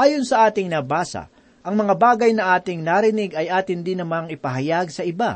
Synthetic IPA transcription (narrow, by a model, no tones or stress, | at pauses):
ʔaːjo̞nsɐʔaːt̪ɪŋnɐbaːsɐ̰ | ʔɐŋmɐŋabaːɡɐjnɐʔaːt̪ɪŋnaɾɪnɪɡɐjʔaːt̪ɪnd̪ɪnɐmaŋɪpɐɦɐjaɡsɐʔɪba